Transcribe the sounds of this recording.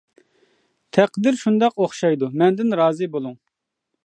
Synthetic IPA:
t̪ʰɛqd̪ɪɾʃund̪ɑqoχʃɑjd̪umɛnd̪ɪnɾɑːzɨbolˠuŋ

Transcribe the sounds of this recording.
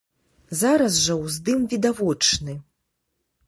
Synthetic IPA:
zaɾɐzʐɐwzd̪ɨmvʲid̪avɔt͡ʂnɨ

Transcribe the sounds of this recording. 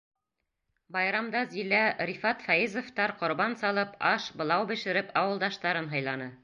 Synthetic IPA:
bɑjɾɑmd̪ɑzilæɾifɑt̪fɑizŏft̪ɑɾqŏɾbɑnsɑlˠɤpɑʃbɤ̆lˠɑwbɘ̆ʃɘ̆ɾɘpɑwɤ̆lˠd̪ɑʃt̪ɑɾɤnɦɑjlˠɑnɤ

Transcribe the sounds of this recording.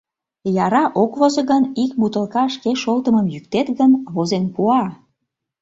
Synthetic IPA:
jɑɾɑʔokβozəɣənikbut̪əlkɑʃkeʃolt̪əməmjyk̚t̪et̪ɣənβozenpuɑ

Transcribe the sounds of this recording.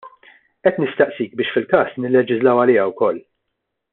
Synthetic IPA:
ʔɛt̪nɪst̪ɐʔsiːk̚bɪːʃfɪlkɐːsnɪlːɛd͡ʒɪzlɐwɐlɪːjɐwkɔlː

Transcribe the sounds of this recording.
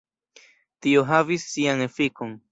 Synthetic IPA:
t̪io̞ɦavisːiaŋefikoŋ

